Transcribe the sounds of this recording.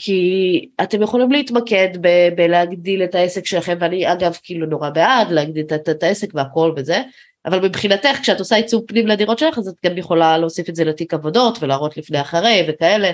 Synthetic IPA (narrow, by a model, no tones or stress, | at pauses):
kʰiate̞mjeχo̞limleitmake̞dbebeleaɡdile̞taesekʃe̞laχe̞mveaniaɡavkiiluno̞ʁabeadleaɡdiletattaese̞kveako̞lveze̞ | ʔavalmibχinate̞χkʃeatosait͡supnimleadiʁo̞tʃelaχazat̪̚ɡamjeχo̞laleosifetzeletikavo̞do̞tvelaːʁo̞tlifnejaχaʁejve̞kae̞le̞